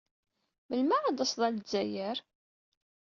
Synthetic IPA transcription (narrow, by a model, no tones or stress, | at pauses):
məlmæad̪əsðˤælzːæjəɾ